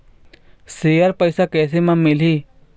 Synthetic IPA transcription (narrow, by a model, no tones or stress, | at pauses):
seːjəɾpəɪsakɛːsemãmɪliː